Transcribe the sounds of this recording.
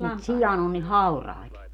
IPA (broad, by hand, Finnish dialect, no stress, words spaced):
mut sijɑn on ni hɑurɑi̯t